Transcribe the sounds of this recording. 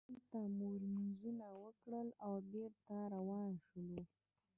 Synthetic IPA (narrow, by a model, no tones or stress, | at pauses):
ɾt̪amoɾnizunawəkɽəlawbeɾt̪aɾawɑnʃəlu